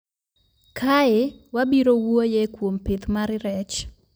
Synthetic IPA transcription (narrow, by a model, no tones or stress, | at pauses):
kʰaɪwabiɾowojekwompet̪maɾɪɾɛt͡ʃ